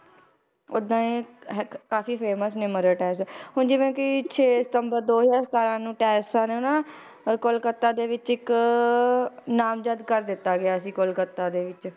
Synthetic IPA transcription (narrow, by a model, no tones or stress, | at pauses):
od̪ãːẽːɦkaːfiːpʰeːməsnɪməɾəːʈɛːɾs̬ɛːɦʊːnd͡ʒiːʋɛ̃ːkit͡ʃʰeːsə̥t̪əmbəɾd̪oːd͡ʒaːst̪aːɾãːnũːʈɛːɾsãːneːʊnãː | kʊlkət̪ːaːd̪eːʋɪt͡ʃɪk | naːmd͡ʒəd̪kəɾd̪ɪt̪ːaːɡɪaːəsĩːkʊlkət̪ːãːd̪eːʋɪt͡ʃ